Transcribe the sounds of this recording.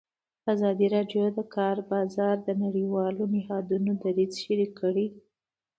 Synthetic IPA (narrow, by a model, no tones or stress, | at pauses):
azɑd̪iɾɑɖjod̪əkɑɾbɑzɑɾd̪ənaɽiwɑlonɪhɑd̪unod̪aɾizʃaɾikəɽi